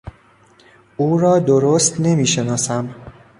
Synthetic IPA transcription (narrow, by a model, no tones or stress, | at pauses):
ʔuːɾɒːd̪oɾoːst̪ne̞miːʃe̞nɒːsæm